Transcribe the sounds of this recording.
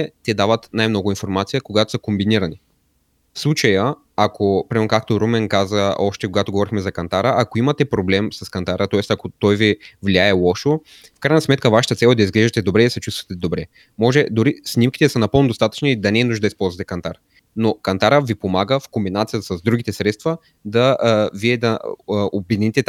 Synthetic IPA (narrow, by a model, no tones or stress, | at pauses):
ɛt̪ɛd̪avət̪najmnɔɡʊinfoɾmat̪sijəkoɡat̪o̥səkombiniɾəni | fslˠut͡ʃəjə | akʰopɾimɛɾnokak̚t̪oɾomɛnkazəɔʃt̪ɛkoɡat̪oɡovɔɾixmɛzɐkɐnt̪aɾəʔakoimət̪ɛpɾoblɛmsɐskɐnt̪aɾət̪ɔɛst̪ɐkot̪ɔjvivliaɛlˠɔʃo | fkɾajnɐsmɛt̪kəvaʃə̥t̪ət̪sɛlˠd̪ɐizɡlɛʒɛt̪ɛd̪obɾɛd̪sɛt͡ʃust̪vɐ̥t̪ɛd̪obɾɛ | mɔʒɛd̪ʊɾisnʲimkit̪ɛsənɐpɤlˠnod̪ost̪at̪ə̥t͡ʃniːd̪ɐnɛːnuʒd̪əd̪ɐispɔlˠzvɐət̪ɛkɐnt̪aɾ | nokɐnt̪aɾəvipomaɡəfkombinat̪sijəsɐzd̪ɾuɡ̟it̪ɛsɾɛt̪st̪və | d̪ɐviɛd̪ɐobɛd̪init̪ɛt̪